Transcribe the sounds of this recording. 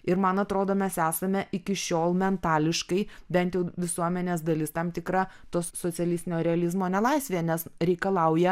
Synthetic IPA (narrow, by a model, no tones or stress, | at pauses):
ɪɾmɐnɐt̪ɾoːd̪oːmʲɛsæːsɐmʲɛʔɪkʲɪʃʲoːlˠmʲɛnt̪ɑːlʲɪʃkɐɪbʲɛnt̪jɛʊʋʲɪsuɔmʲɛnʲeːs̬d̪ɐlʲɪst̪ɐmt̪ʲɪkɾɑt̪oːsːot͡s̪ʲɛlʲɪst̪ʲɪnʲoːɾʲɛɐlʲɪzmoːnʲɛlˠɐɪsʲʋʲeːjɛnʲɛsɾʲɛɪkɐlˠɐʊjɛ